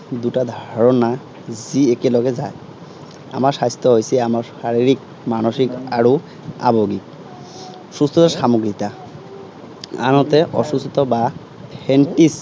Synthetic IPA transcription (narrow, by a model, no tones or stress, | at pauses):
d̪uʈad̪ʱaaɹɔna | ziekɛlɔɡɛzaj | a̰maɹsajst̪ʰɔɦojsiamaɹsaɹiɹik | manoʃika̰ɹu | a̰boɡik̚ | sust̪ʰɔt̪aɹʃamoɡɹit̪a | a̰nɔt̪ɛʔɔ̰sust̪ɔba | pʰɛnʈis